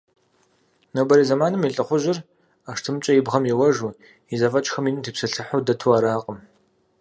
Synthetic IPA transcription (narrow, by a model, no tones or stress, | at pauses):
nɐwbɐɾiːzɐmaːnɨmjiɬʼɐχʷʊʒɪr | aːʂtʰɨmt͡ʃʷʼɐjɪbʁɐmjɪwɐʒu | izɐfɐt͡ʃʼxɐminɨtʰɨpsɨɬɨħʊdɐtʰuaːɾaːqʼəm